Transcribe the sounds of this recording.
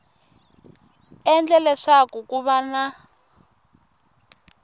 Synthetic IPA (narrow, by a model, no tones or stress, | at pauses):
ɛnd͡ɮɛlɛʂakukuβana